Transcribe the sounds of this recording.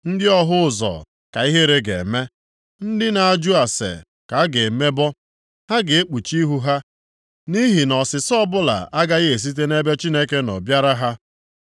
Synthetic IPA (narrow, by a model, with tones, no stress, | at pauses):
n̩˦dɪ˦ɔ˦ɦʊ˦ʊ˨zɔ̰˨ | ka˨i˦ɦe˦ɾe˦ɡḛ˨me˦ | n̩˦dɪ˦na˨a˨d͡ʒu˦a˨sḛ˨ | ka˨˦ɡe˨me˦bɔ˦ | ha˦ɡe˨e˦k͡pu˨t͡ʃi˦ɦu˦ɦa˦ | ni˦ɦi˨nɔ˨sɪ˨sɔ˦bʊ˦la̰˨a˦ɡa˦ɣe˨s̬i˦t̬e˦ne˦be˦t͡ʃi˦ne˦ke˦nɔ̰˨bja˦ɾa˦ɦa˦